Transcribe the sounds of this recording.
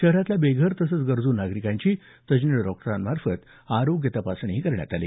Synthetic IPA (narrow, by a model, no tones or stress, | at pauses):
ɕəɦɾat̪labeɡʱəɾt̪əsət͡sɡəɾd͡zuːnːaɡɾikãɲt͡ɕiː | t̪əd͡ʑniɖɔkʈəɾanmaɾfət̪ | aɾoɡjət̪əpasɳ̃iɦiːkəɾɳja̰t̪alḭː